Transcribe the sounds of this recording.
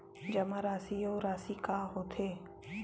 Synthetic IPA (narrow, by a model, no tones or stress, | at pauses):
d͡ʒɐmaɾaːsioːɾaːsikaːɦoːt̪ʰeː